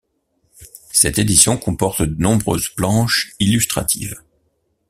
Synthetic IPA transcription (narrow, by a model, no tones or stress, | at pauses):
sɛt̪ed̪isjɔ̃kɔ̃pɔʁt̪d̪ənɔ̃bʁø̰zplɑ̃ʃilyst̪χa̰t̪ʰḭːv